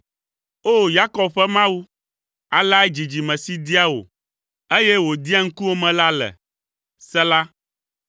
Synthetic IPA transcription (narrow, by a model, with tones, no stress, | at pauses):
o˦ja˦kɔ˨bɸɛ˦mã˦wu˦ | a˨la˦ɛ˦d͡ʑi˨d͡ʑi˨mɛ̃˨si˦d̪i˦a˦wo̰˨ | e˦jɛ˦wo˨d̪i˦a˦ŋ̩˦ku˦wo˦mɛ̃˨la˦lɛ̰˨ | sɛ˦la˦